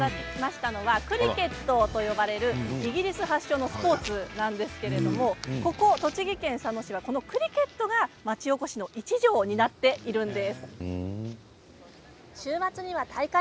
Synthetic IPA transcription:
maɕi̥t̪ano̞βakɯ̟ɾʲike̞t̪ːo̞t̪o̞jo̞baɾe̞ɾɯ̟iɡʲiɾʲisɨɦaɕːo̞ːno̞sɨ̥po̞ːt͡sɨnãnd̪e̞sɨ̥ke̞ɾe̞d̪o̞mo̞ko̞ko̞t̪o̞t͡ɕiɡʲikẽ̞ɰ̃sano̞ɕiβako̞no̞kɯ̟ɾʲike̞t̪ːo̞ɡamat͡ɕio̞ko̞ɕino̞ʔit͡ɕiʑo̞ːɲ̟inat̪ːe̞iɾɯ̟̃nd̪e̞sɨ̥ | ɕɨːmat͡sɨɲ̟iβat̪ʰaika

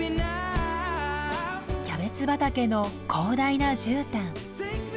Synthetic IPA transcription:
kʲabe̞t͡sɨbat̪ake̞no̞kʰo̞ːd̪ainad͡ʑɨːt̪ãŋ

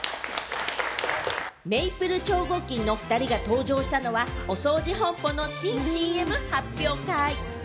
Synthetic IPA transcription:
me̞ipɯ̟ɾɯ̟t͡ɕo̞ːɡo̞kʲĩnːo̞ɸɯ̟̥t̪aɾʲiɡat̪o̞ːd͡ʑo̞ːɕi̥t̪ano̞βao̞so̞ːd͡ʑiɦõ̞mpo̞no̞ɕiːɕiːemɯ̟hapʲːjo̞ːkai

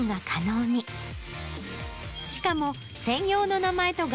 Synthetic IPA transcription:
ŋɡakʰano̞ːɲ̟i | ɕi̥kamo̞ | sẽ̞ɰ̃jo̞ːno̞namae̞t̪o̞ɡ

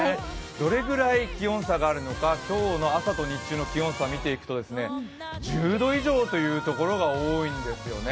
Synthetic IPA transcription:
d̪̥o̞ɾe̞ɡɯ̟ɾaikʲiõ̞ɰ̃saɡaːɾɯ̟no̞kakʲo̞ːno̞asat̪o̞ɲ̟it͡ɕːɨːno̞kʲiõ̞samʲit̪e̞ikɯ̟t̪o̞d̪e̞sɨne̞ | d͡ʑɨːd̪o̞iʑo̞ːt̪o̞jɯ̟ːt̪o̞ko̞ɾo̞ɡaoːĩnd̪e̞sɨjo̞̰ne

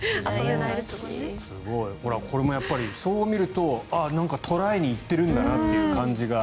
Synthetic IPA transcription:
sɨɡo̞iho̞ɾakʰo̞ɾe̞mo̞japːaɾʲiso̞ːmʲiɾɯ̟t̪o̞anãŋkat̪ʰo̞ɾaiɲ̟iːt̪ːe̞ɾɯ̟̃nd̪anat̪ːe̞jɯ̟kãɲd͡ʑiɡa

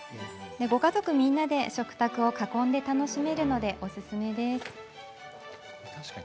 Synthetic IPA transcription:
d̪e̞ɡo̞kazo̞kɯ̟mʲĩnːad̪e̞ɕo̞kɯ̟̥t̪akɯ̟o̞kakõ̞nd̪e̞t̪ano̞ɕime̞ɾɯ̟no̞d̪e̞ʔo̞sɨsɨme̞d̪e̞sɨ̥

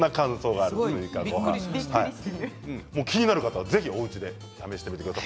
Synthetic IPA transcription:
akãso̞ːɡaːɾɯ̟t̪ojɯ̟ːkaɡoɦã̰hai | mo̞ːkʲiɲ̟inaɾɯ̟kat̪aβaze̞çio̞ɯ̟t͡ɕid̪e̞ | t̪ame̞ɕi̥t̪emʲit̪ekɯd̪as

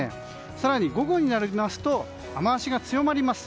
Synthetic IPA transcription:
ḛ̃ | saɾaɲ̟iɡo̞ɡo̞ɲ̟inaɾɯimasɨ̥t̪o̞ | amaaɕiɡat͡sɨjo̞maɾʲimasɨ̥

